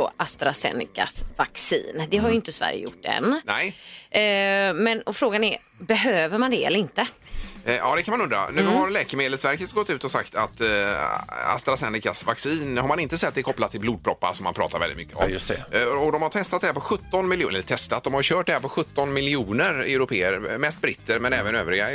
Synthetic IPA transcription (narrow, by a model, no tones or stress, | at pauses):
ɔʔast̪ɾasɛ̰nɪ̰ka̰svaksḭːnd̪ɛɦaɾjʏɪnt̪əsvæ̰ɾjə̰jʊ̰ʈːɛ̰nnɛj | mɛnɔfɾoːɡanæɾ | bɛɦøːvəɾmand̪ɛɛ̰ləɾɪnt̪ə | jɑ̰ːd̪ɛkʰanmanɵnd̪ɾa̰nʉ̟ːhaɾlɛːkəɾmeːd̪əlsvæɾkət̪ɡɔt̪ːʉ̟ːt̪ɔsa̰kt̪a̰t̪ | a̰st̪ɾasɛnɪkasvaksiːnhaɾmanɪnt̪əsɛt̪̚ːd̪ɛɾkʰɔplat̪ʰːɪlbluːd̪̚pʰɾɔpːa̰ɾsɔmːanpʰɾɑ̰ːt̪ʰaɾvɛlɪt̪mʏkːəɔ̰mst̪ɛɔd̪ɔmhaʈ̪ʰɛst̪at̪d̪ɛhæɾpʰɔɧɵt̪ːɔnmɪljṵːnɛlt̪ʰɛst̪at̪d̪ɔmhaɾjʉɕœːʈ̚d̪ɛæːɾpɔɧɵt̪ːɔnmɪlɪuːnəɾɛʉɾʊpʰeːəɾmɛst̪̚bɾɪt̪ʰːəɾmɛnɛːvənø̰ːvɾɪɡa